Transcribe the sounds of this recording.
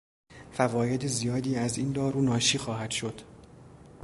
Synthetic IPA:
fævɒːje̞d̪ezijɒːd̪iːæzind̪ɒːɾuːnɒːʃiːxɒːɦæd̪̥ʃo̞d̪̥

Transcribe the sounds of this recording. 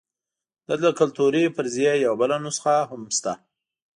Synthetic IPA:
d̪̥ələkalt̪uɾepəɾzjajawabəlanusə̥xaɦʊmst̪a

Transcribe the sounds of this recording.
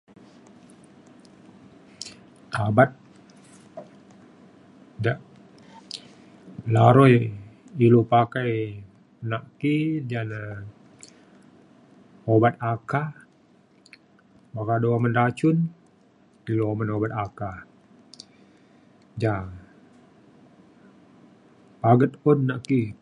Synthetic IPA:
abat̪̚ | daʔ | laɾɔjilopakaj | naʔkid͡ʒana | obat̪̚aka | bakadoaməndat͡ʃʊn | iloomənobat̪̚aka | d͡ʒa | paɡət̪̚ɔnːaʔki

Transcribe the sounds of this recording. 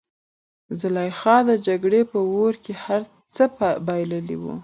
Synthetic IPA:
zɪlɑjxɑd̪əd͡ʒaɡɽepəwoɾkehaɾ | t͡səpbɑjləlḭwṵ

